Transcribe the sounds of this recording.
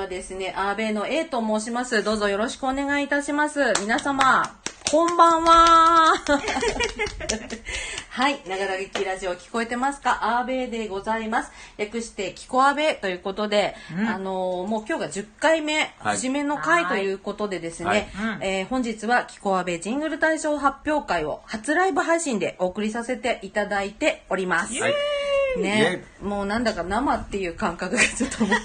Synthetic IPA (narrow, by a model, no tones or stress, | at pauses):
ad̪e̞sɨne̞ʔaːbe̞ːno̞e̞ːt̪o̞moːɕ̬imasɨd̪o̞ːzo̞jo̞ɾo̞ɕi̥kɯ̟one̞ɡait̪aɕimasɨmʲinasamakʰõ̞mbãɰ̃βa | hainaɡaɾaɡekʲiɾaʑio̞kʲi̥ko̞e̞t̪e̞masɨ̥kaʔaːbe̞ːd̪e̞ɡo̞zaimasɨ̥jakɯ̟ɕi̥t̪e̞kʲi̥ko̞abe̞t̪o̞jɯ̟ːko̞t̪o̞d̪e̞ano̞mo̞ːkʲo̞ːɡad͡ʑɨkːaime̞haʑime̞no̞kait̪o̞jɯ̟ːko̞t̪o̞d̪e̞d̪e̞sɨne̞hõ̞ɲ̟d͡ʑit͡sɨβakʲi̥ko̞abe̞ʑĩŋɡɯ̟ɾɯ̟t̪aiɕo̞ːɦapʲjo̞ːkaio̞̰hat͡sɨɾaibɯ̟ɦaiɕĩnd̪e̞ʔo̞ːkɯ̟ɾʲis̬ase̞t̪e̞ʔit̪ad̪ait̪e̞o̞ɾʲimasɨ | ne̞ | mo̞ːnãnd̪akanamat̪ːe̞jɯ̟ːkãŋkakɯ̟ɡ̪et͡sɨt̪ːom